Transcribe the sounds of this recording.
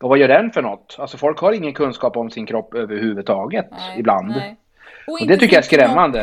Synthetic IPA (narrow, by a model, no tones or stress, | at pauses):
ɔvajœːɖɛnfœɳɔt̪ːalsɔfɔlkhɑːɾɪŋːənkʰɵnskɑːpɔmsɪnkʰɾɔpːøːvəɾhʉ̟ːvɵt̪ʰɑːɡət̪ɪbland̪ | ɔd̪ɛt̪ʰʏkːəjaæʂkɾɛmːand̪ə